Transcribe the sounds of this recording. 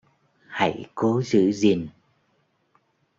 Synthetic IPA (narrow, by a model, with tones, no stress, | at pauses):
ha̰˧˩jko˨˦zɨ̰˧˥zi˨˩n